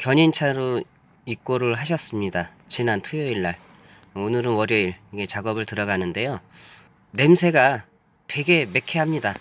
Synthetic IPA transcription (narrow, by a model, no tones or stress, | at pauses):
kjʌɲint͡ɕʰaɾo | ik͈oɾɯɭɦaɕ̬ʰʌs͈ɯmɲida | t͡ɕinantʰujʌiɭːaɭ | onɯɾɯnwʌɾjʌiɭiɡe̞t͡ɕaɡʌbɯɭtɯɾʌɡanɯnde̞jo | ne̞msʰe̞ɡa | twe̞ɡe̞me̞kʰe̞ɦamɲida